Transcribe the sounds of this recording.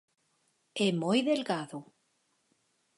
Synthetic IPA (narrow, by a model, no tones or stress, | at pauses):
emojðelɣaðu